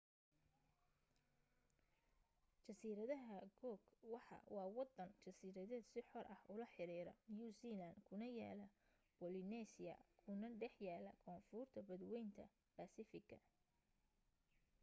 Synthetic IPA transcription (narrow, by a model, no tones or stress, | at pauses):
t͡ʃɐsiːɾɐðɐɦɐɡɔːɡwɑħɑ̰wɑːwɑd̪ɐnt͡ʃɐsiːɾɐðɛːd̪sɪħɔrʔɐhʊlɐħɪɾiːɾɐ̰njusilɐnd̪kʰʊnɐjaːlɐ | b̥ɔlɪnɛsɪjɐ̰kʰʊnɐɖɛħjaːlɐ̰kʰɔːnfʊrt̪ʰɐbɐd̪wɛjnt̪ʰɐ | bɐsɪfɪɡɐ